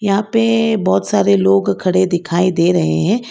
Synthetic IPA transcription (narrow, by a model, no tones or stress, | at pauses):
jɐɦãːpebɔːt̪saːɾeloːɡkʰɐɽed̪ɪkʰaːid̪eːɾɐɦḛɦɛ̃ː